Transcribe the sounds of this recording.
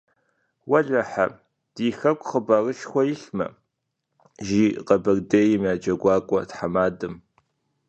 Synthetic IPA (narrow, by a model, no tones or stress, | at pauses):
wɐɮɐħa̰ | d̥iːxɐkʷʼχəbɐrɨʃxʷɔjɪɬmɐ̰ | ʒiːqɐbɐrdeːjɪmjaːd͡ʒɐɡʷɑːkʷʼɔtħamaːdɨm